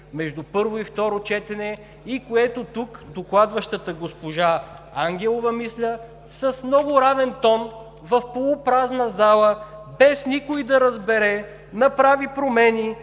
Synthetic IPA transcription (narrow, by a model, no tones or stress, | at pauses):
mɛʒd̪upɤɾvoift̪ɔɾot͡ʃɛt̪ɛnɛ | ikoɛt̪ot̪ukd̪oklˠad̪vəʃt̪ət̪əɡospoʒa | aŋɡʲɛlˠovɐmislʲə | sɐsmnɔɡʊɾavɛnt̪ɔn | vɐfpolˠʊpɾaznəzalˠəbɛsnikʊid̪ɐɾɐzbɛɾɛ | nɐpɾavipɾomɛni